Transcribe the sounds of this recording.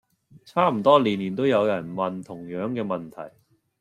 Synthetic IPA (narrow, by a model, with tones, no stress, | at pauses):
t͡sʰaː˥m̩˨˩t̪ɔː˥liː˨˩nliː˨˩nt̪o˥wjɐ˨˧wjɐ˨˩nmɐ˨nt̪ʰʊ˨˩ŋjœː˨˥ŋkɛː˧mɐ˨nt̪ʰɐ̰˨˩j